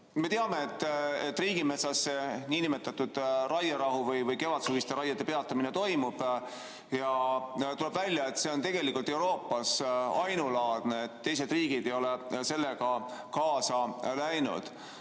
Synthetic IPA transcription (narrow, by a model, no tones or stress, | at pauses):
me̞t̪eɑme̞ːt̪ːet̪ːˑriːɡ̥imesɑsːe̞niːnimet̪ːˑɑt̪ːud̪̥rɑjɑɾɑɦuvɤjvɤjke̞vɑt̪suvist̪eɾɑjːɑd̪e̞pe̞ɑt̪ːˑɑminet̪o̞jmub̥ | jɑt̪ule̞b̥vælʲjɑe̞t̪se̞o̞nt̪e̞ɡ̥e̞likːˑult̪ːˑeuɾo̞ːpˑːɑsɑjnulɑːd̪̥neːt̪ːe̞js̬ed̪riːɡ̥id̪e̞jo̞lese̞lːeɡɑkɑːsɑlæjnṵd̪̥